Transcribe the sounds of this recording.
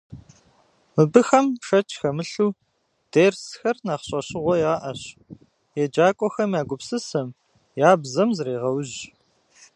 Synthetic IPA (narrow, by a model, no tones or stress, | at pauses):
mɨbɨxɐmʂɐt͡ʃʰxɐmɨɬuː | d̥eːrsxɐrnaːχɕʼɐɕʼɪʁʷɔjaːʔɐɕ | jɛd͡ʒaːkʷʼɔxɐmjaːɡʷʊpsɨsɐm | jaːbzɐmzɾeːʁɐwʑ